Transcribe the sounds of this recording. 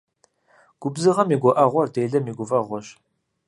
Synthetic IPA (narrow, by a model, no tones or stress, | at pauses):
ɡ̥ʷʊbzɨʁɐmiːɡʷɔʔɐʁʷɔrdejɮɐmiːɡʷʊvɐʁʷɔɕ